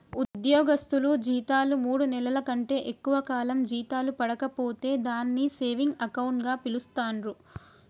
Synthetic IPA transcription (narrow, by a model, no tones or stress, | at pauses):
ud̪jɔːɡɐst̪ulud͡ʒiːt̪aːlumuːɽunɛlɐlɐkɐɳʈe̞ːʔekːuʋɐkaːlɐmd͡ʒiːt̪aːlupɐɽɐkɐpo̞ːt̪e̞ːd̪aːnːise̞ːʋiŋɡɐkɐwɳʈɡaːpilust̪aːnɾu